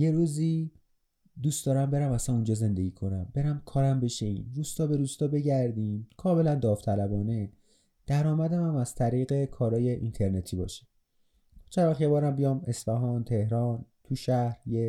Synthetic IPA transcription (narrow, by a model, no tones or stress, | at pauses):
jeɾuːziː | d̪uːstd̪ɒːɾæmbe̞ɾæmæsænund͡ʒɒːze̞nd̪eɟiːkʰo̞næmbe̞ɾæmkʰɒːɾæmbe̞ʃeḭːnɾuːst̪ɒːbe̞ɾuːst̪ɒːbe̞ɟæɾd̪iːmkʰɒːme̞lænd̪ɒːft̪ʰælæbɒːne̞ | d̪̥æɾɒːmæd̪æmæmæz̥t̪ʰæɾiːɣe̞kʰɒːɾɒːje̞ʔint̪ʰeɾnet̪ʰiːbɒ̰ːʃi̥ | t͡ʃʰeɾɒxjebɒːɾæmbijɒːme̞sfæɦɒːnt̪ʰe̞hɾɒːnt̪ʰuʃæhɾje